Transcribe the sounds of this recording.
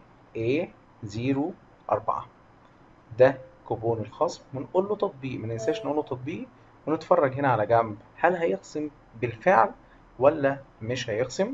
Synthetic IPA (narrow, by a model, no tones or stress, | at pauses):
ʔeː | ziːɾu | ʔɑ̰ɾˤbɑ̰ʕɑ̰ | d̪ækoboːnelxɑːsˤmmænʔuːlːot̪ˤɑt̪̚ˤbiːʔmænensæːʃnʔuːlːot̪ˤɑt̪̚ˤbiːʔ | wenet̪fɑrˤːɑɡɦenæʕalæɡæmbhælɦæjeɣsem | belfeʕl | wælːæmeʃhæjeqsem